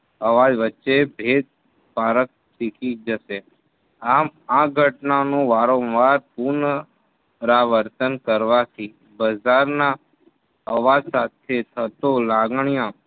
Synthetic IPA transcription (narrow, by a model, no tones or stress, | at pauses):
əʋad͡ʒʋətːʃebʱed̪̚ | paɾək̚sikid͡ʒəʃe | amãɡʱəʈnanũʋaɾõnʋaɾpuɾnə | ɾaʋəɾt̪ənkəɾʋat̪ʰi | bəd͡ʒaɾna | əʋad͡ʒsat̪ʰet̪ʰət̪olaɡɳijã